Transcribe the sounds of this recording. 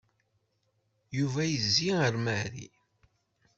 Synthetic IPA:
juvæjəzːiəɾmæɾḭ

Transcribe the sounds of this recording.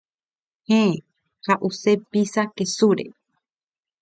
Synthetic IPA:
he | haʔusepisakesuɾḛ

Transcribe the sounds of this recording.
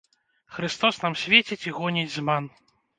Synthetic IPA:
xɾɨst̪ɔsnamsʲvʲet͡sʲit͡sʲiɣɔnʲid͡zʲzman

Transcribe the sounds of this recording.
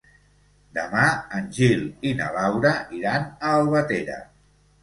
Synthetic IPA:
d̪əmaənʲʒilinə̰lawɾəʔiɾanəːlˠβət̪eɾə̰

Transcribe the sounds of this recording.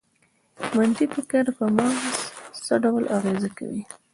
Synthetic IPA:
mant̪ipəkaɾpəmɑssəɖawlʔaɣezaka̰wi

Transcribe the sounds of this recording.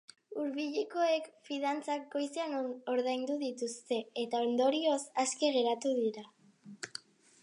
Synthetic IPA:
uɾβiʎeko̞e̞kfiðant͡sak̚ɡo̞jseano̞ɾðajnd̪uðit̪ust̪e̞et̪ao̞nd̪o̞ɾio̞saske̞ɣe̞ɾat̪uðiɾa

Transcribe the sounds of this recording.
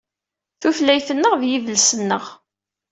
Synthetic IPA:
θuflæjθənːəʁvjivəlsənːəʁ

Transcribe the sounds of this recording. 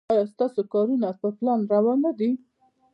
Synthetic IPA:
ɑjɑst̪ɑsokɑɾunapəplɑnɾawɑnad̪i

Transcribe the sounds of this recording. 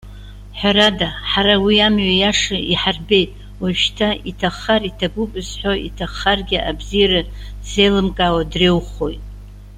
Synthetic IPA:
ħʷᶣaɾadaħaɾawiamɥajaʂaiħarbe̞jtʼ | waʃtʰaitʰaχaritʰaɡʷupʼɨzħʷoḭtʰaχarɡʲɪʔabzijaɾa | zejlɨmkʼawadrewχojtʼ

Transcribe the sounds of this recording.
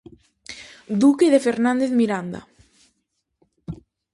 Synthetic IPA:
d̪ukeðefeɾnand̪eθmiɾand̪a̰

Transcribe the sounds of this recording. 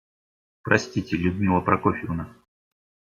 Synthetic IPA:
pɾɐsʲtʲitʲɪlʲʊd̪mʲilˠəpɾɐkofʲɪʊna

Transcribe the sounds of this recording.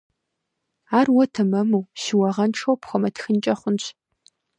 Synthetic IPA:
aːrwɔtʰɐmɐmuwʃɪwɐʁɐnʈ͡ʂʰowpχʷɔmɐtʰxɨnt͡ʃʼɐχʷʊnɕʰ

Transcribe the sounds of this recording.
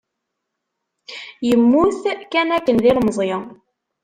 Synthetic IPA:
jəmːuθkænækːənðilməzˤje

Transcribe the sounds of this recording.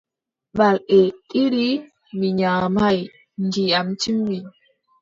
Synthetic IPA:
ɓaletʼiɾi | miɲamaj | nd͡ʒiamt͡ʃimːiɲ

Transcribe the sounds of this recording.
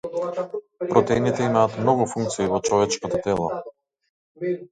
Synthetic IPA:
pɾɔt̪ɛinit̪ɛimaːt̪mnɔɡufuŋk̚t̪siːvɔt͡ʃɔvɛt͡ʃkɔt̪ɔt̪ɛlˠɔ

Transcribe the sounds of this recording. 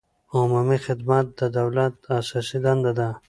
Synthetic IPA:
omamixɪd̪mat̪̚d̪əd̪awlat̪̚asɑsid̪and̪ad̪a

